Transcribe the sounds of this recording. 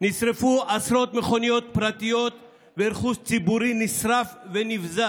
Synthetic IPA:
nisɾefuʔasɾo̞t̪meχo̞nijo̞t̪̚pɾat̪ijot̪ | veɾχust͡sibuɾinisɾafvenifza

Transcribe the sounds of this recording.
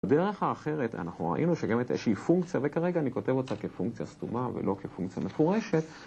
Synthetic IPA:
ade̞ʁe̞χhaːχe̞ʁeta̰naχnuʁa̰ʔinuʃeɡamet̪jeʃiːfuŋkt͡sjavekaʁeɡaːniko̞tevot͡sakefuŋk̚t͡sija̰stumavḛlo̞kʰefuŋkt͡sijame̞fuʁe̞ʃe̞t̪

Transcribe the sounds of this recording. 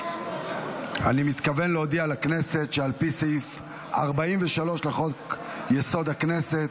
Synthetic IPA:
animit̪kave̞nleod̪iaːlakne̞se̞t̪ʃealpisef | a̰ʁbaimveʃalo̞ʃlaχo̞jeso̞d̪akne̞se̞t̪

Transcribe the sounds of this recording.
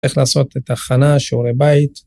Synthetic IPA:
iχlaːso̞t̪et̪aχanaʃeuɾebait̪

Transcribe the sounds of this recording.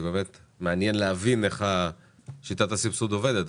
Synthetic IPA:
bemet̪meanjenleavineχa | ʃit̪at̪asipsud̪oved̪et̪

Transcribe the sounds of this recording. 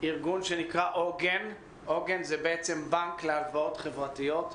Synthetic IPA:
iʁɡunʃenikʁaʔoɡen | oɡenzɛbeɛt͡sɛmbaŋklealvaotχevʁatiot

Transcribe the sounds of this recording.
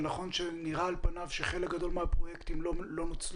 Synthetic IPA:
naχo̞nʃeniʁaːlpanavʃeχe̞lekɡad̪o̞lmeapʁo̞jekt̪imlolo̞not͡sl

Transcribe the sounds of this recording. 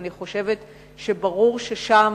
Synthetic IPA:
niχo̞ʃe̞vet | ʃebaʁuʁʃeʃam

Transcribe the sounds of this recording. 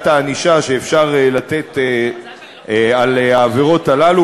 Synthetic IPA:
taniʃaʃe̞ːfʃaʁelat̪e̞t̪e | alaːveʁo̞t̪alalu

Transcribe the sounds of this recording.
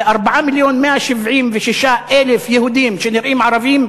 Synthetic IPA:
ʔɑɾˤbaʕamɪljoːnmɪaʃɪbʕiːmvɪʃɪʃaːʔʔelɪfjahud̪iːmaʃaːnjɪɾʔiːmʕɑɾˤɑviːm

